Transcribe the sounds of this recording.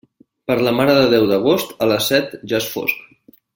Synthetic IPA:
pəɾləmaɾəðəðɛwðəɣ̞ost̪ələsɛt̪ʒasfo̰sk

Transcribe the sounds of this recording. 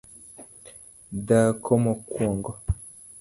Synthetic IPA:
dakʰɔmɔkwɔŋɡɔ

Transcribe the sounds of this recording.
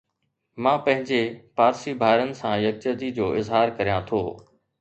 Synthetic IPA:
mãːpɐ̃ɦɪ̃ɲd͡ʑepaːɾsibʱaːɪɾənɪ̆sãjɐk̚t͡ɕəd̪id͡ʑoːʔɪzɦaːɾkɐɾijãt̪ʰoː

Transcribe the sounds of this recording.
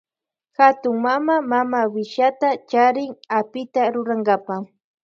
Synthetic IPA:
xat̪ʊŋmamamamawɪʃat̪at͡ʃaɾɪŋapɪt̪aɾʊɾaŋɡapa

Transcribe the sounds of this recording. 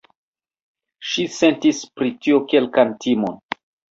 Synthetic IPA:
ʃise̞ntispɾitioke̞lkantʰimon

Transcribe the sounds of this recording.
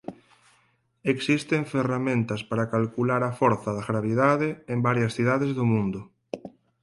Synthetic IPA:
eksist̪eɱferamẽnt̪aspaɾakalkulaɾafoɾθaðaɣɾaβ̞iðaðeembaɾjasθiðaðezðʊmũnd̪ʊ

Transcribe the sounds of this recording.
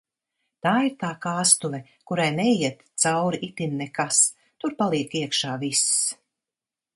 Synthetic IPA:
t̪aːiɾt̪aːkaːst̪uvʲɛ | kuɾajnɛjiɛt̪t̪sawɾiʔit̪innːɛkas | t̪uɾpalˠiɛkiɛkʃaːvis

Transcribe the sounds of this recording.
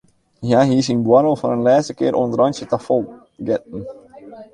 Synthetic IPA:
jaɦiːs̬inbwɔɾəlˠfɔnənlɛːstəkɪːɾʔontrɑnsjətafolˠ | ɡɛt̚n̩

